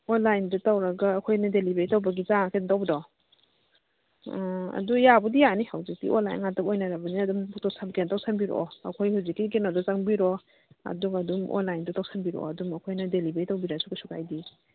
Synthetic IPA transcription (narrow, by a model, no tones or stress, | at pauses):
onlajndɐtawɾɐɡɐːkʰojnɐdelibeɾitawbɐɡizaŋakentawbdɔ | ɐ̰dujabudijanihawzik̚tḭʔo̰nla̰jnŋatapojnaɾabɐniɐdumbuk̚tɔsʰamkentawsʰambiɾɔ̰ɐ̰kʰojhuwzikːiɡenadɔzaŋbiɾɔ | ɐ̰duŋɐdumʔo̰nlajndɐtawsʰambiɾɔ̰ɐdumɐkʰojnɐdelibeɾitawbiɾasuɡasukajdi